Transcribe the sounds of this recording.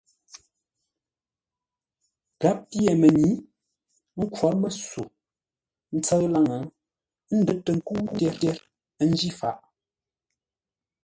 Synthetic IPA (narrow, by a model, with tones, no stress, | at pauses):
ka˦p̚ːje˨mə˨ɲi˨˦ | ŋ̩˦kwɔ˨˦ɾmə˨su˨ | n̩˦t͡sə˦ɣla˦ŋa˨˦ | n̩˦də˨˦tːə˨ŋ̩˦ku˦tɛ˦tɛ˦ɾ | n̩˦d͡ʒi˦fa̰˨ʔ